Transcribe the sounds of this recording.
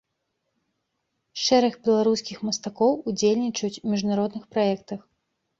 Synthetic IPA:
ʂɛɾɐɣbʲɛlˠaɾuskʲixmɐst̪akɔwud͡zʲelʲnʲit͡ʂɐjut͡sʲmʲiʐnaɾɔd̪nɨxpɾajɛkt̪ɐx

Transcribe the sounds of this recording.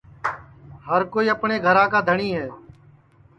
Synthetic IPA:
ɦəɾkoːiːəpɳeːɡʱəɾãːkaːd̪ʱəɳiːɦɛː

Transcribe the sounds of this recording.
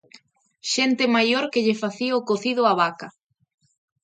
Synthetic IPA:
ʃent̪ɪmajoɾkeʎefaθiokoθið̞ʊaβakɐ

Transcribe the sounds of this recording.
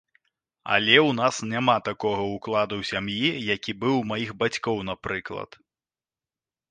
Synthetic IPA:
ɐ̰lʲɛwnasnʲamat̪akɔɣɐuklˠad̪uwsʲamjijakʲibɨwmajiɣbat͡sʲkɔwn̪apɾɨklˠɐ̰t̪

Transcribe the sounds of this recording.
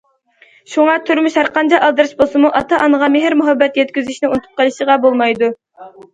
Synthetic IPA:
ʃuŋɑt̪ʰyɾmyʃhæɾqɑnt͡ʃʰɑʔɑlˠd̪ɨɾɨʃbolˠsɨmuʔɑt̪ʰɑʔɑnəʁɑmeɦɪɾmuɦɑbːɛt̪jɛt̪̚kʲyzɪʃnɪunɨt̪ʰu̥p̪̚qɑlˠɨʃəʁɑbolˠmɑjd̪u

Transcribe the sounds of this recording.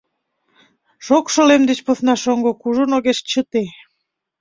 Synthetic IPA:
ʃokʃolemd̪et͡ɕpoθnɑʃoŋɡokuʒonoɣeʃt͡ɕət̪e

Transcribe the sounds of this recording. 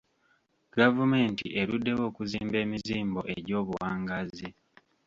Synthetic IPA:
ɡ̥avume̞ːntḭʔe̞ɾudːe̞wo̞ːkuziːmbe̞ːmiziːmbo̞ʔeɟo̞ːβuwaːŋɡazi

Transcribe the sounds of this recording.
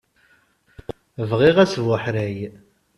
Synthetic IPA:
əvʁiʁæsvʊħɾæj

